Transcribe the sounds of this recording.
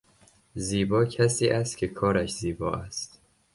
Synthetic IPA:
ziːbɒːcʰæsiːʔæst̪̚cʲʰekʰɒːɾæʃziːbɒːʔæst̪

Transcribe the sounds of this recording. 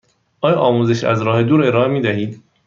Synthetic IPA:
ʔɒːjɒʔɒːmuzeʃæ̰zɾɒːhe̞d̪uːɾe̞ɾɒːemiːd̪æhiːd̪

